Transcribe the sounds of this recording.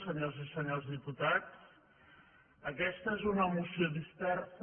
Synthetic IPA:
səɲozisəɲolˠzðiput̪at͡s | əkɛst̪əezunəmusiod̪ispɛrf

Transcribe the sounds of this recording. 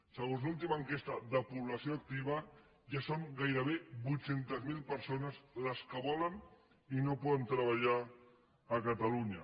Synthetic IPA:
səɣonzlulˠt̪̬imaːŋkest̪ɐðəpuβlɐsjoak̚t̪iβ̞ɐ | ʒasoŋɡajɾəβ̞ebujt̪sent̪əzmilpəɾsonəzləskəβɔlən | inopɔðənt̪ɾəβaʎaː | kat̪aluɲɐ̰

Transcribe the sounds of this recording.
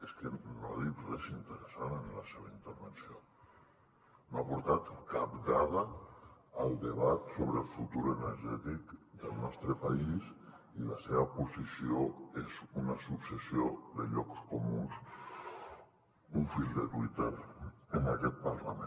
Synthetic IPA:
eskenaðiprezint̪əɾəsanənləseβəint̪əɾβənsio | noapuɾt̪at̪kapd̪aðəː | lˠd̪əβat̪soβɾəlˠfut̪uɾənəɾʒɛt̪ikd̪əlˠnɔst̪ɾəpais | iləseβəpuzisioezunəsupsəsioðəʎɔkskomuns | uɱfilˠd̪ət̪wit̪eɾənakɛt̪̚pərlame

